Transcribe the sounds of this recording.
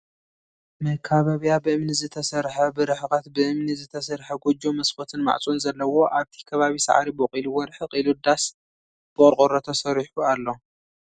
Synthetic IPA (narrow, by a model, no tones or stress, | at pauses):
mɐkʰaβaβijabɨɨmnizɨt̪ʰɐsɐɾħɐbɨɾɨħkʼat̪bɨʔɨmnizɨt̪ʰɐsɐɾħɐɡod͡ʒomɐsfʰot̪ʰɨnma̰ʕt͡sʼunzɐlːɐwo̞ʔaβt̪ʰi̥kʰɐβaβisa̰ʕa̰ɾibɨqʼiluwɔɾħɨqʼilud̪as | b̥ɨkʼɔɾqʼoɾɐt̪ʰosɐɾiħualːo̞